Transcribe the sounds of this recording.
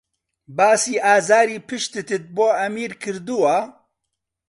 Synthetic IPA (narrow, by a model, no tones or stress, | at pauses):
baːsiːʔaːzaːɾiːpʰɨʃt̪ɨt̪ɨt̪̚boːɐmiːɾkʰɨɾd̪uwa